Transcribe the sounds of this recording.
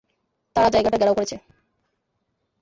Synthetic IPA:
t̪aɾad͡ʑaejɡaʈaɡɛɽaokoɾet͡ɕʰe

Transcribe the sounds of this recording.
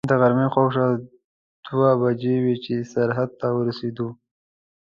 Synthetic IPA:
d̪əɣaɾmexawʂa | d̪̥wabad͡ʒewet͡ʃesaɾɦad̪̚t̪awəɾased̪u

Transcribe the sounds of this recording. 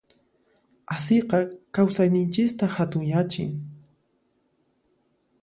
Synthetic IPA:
asɪqɑkawsajnɪnt͡ʃɪst̪ahat̪ʊŋjat͡ʃɪ̰ŋ

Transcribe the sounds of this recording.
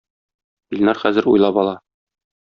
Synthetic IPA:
bilʲnɑɾχæzɘ̆ɾṵjlˠɑbɒlˠɑ

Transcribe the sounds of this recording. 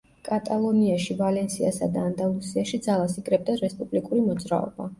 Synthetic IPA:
kʼat̪ʼalˠɔniaʃivalɛnsiasa̰d̪aːnd̪alˠusiaʃid̪zalˠasikʼɾɛb̚d̪aɾɛspʼublikʼuɾimɔd̪zɾa̰ɔ̰b̥a

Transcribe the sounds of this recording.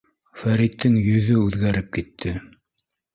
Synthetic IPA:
fæɾit̪ːɘŋjɵ̆ðɵʉðɡæɾɘp̚kit̪ʰːɘ

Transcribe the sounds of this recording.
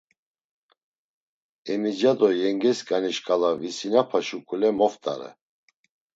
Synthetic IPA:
ɛmid͡ʒad̪ɔjɛŋɡɛskʼaniʃkʼalavisinapʰaʃukʼulɛmɔft̪ʼa̰ɾɛ̰

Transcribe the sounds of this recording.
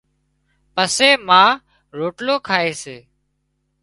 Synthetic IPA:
pəseːmãː | ɾoːʈloːkʰaːeːseː

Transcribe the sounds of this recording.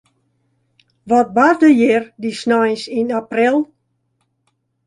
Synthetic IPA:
ʋɔt̚bardəjɪrdisnɔjsinaprɪlˠ

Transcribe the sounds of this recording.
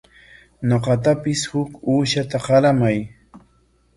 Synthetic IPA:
ɲoqɑt̪apɪshʊkuːʃat̪aqɑlamaj

